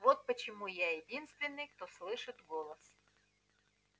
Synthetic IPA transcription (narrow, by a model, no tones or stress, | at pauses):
vot̪̚pət͡ɕɪmujajɪdʲinst̪vʲɪnːɨjkt̪oslˠɨʂɨt̪ɡolˠɐs